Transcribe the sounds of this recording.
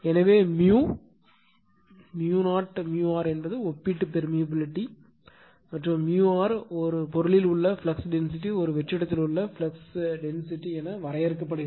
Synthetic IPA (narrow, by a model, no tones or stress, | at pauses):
ɛnɐʋeːmjuː | mjunaːʈmjuːaːɾɛnbɐðɯɔpːiʈːɯpɛɾmijɐbɪlɪʈːi | mɐʈːrʊ̃mmjuːaːɾɔɾɯpɔɾɯɭɪlʊɭːɐfɪlɐksɖɛns̬ɪʈːiɔɾɯʋɛt͡ʃːɪɽɐt̪ːɪlʊɭːɐfɪlɐksɖɛnsɪʈːiɛnɐʋɐɾɐjɛɾɯkːɐpːɐɽɯ